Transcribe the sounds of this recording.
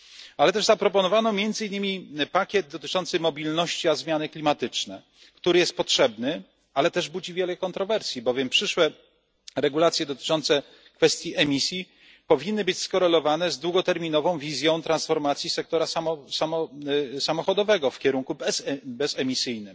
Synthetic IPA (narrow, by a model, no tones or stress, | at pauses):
alɛt̪ɛʐzapɾɔpɔnɔvanɔmʲjɛnd̪zɘinːɘmʲipakʲjɛd̪̚d̪ɔt̪ɘt͡ʂɔnt̪sɘmɔbʲilnɔɕt͡ɕiazmʲjanɘklʲimat̪ɘt͡ʂnɛ | kt̪uɾɘjɛst̪̚pɔtʂɛbnɘ | alɛt̪ɛʐbud͡ʑivʲjɛlɛkɔnt̪ɾɔvɛɾsʲjibɔvʲjɛmpʂɘʂwɛ | ɾɛɡulat̪sjɛd̪ɔt̪ɘ̥t͡ʂɔnt̪sɛ | kfɛst̪ʲjiʔɛmʲisʲji | pɔvʲinːɘbɘt͡ɕskɔɾɛlɔvanɛzd̪wuɡɔt̪ɛɾmʲinɔvɔ̃w̃vʲizʲjɔ̃w̃t̪ɾãnsfɔɾmat̪sʲjisɛk̚t̪ɔɾasaɔsamɔsamɔxɔd̪ɔvɛɡɔfkʲɛɾuŋkusbɛsɛmʲisɘjnɘm